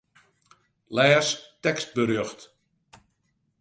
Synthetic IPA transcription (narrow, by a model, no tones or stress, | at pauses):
lɛːstɛkst̚bəɾøxt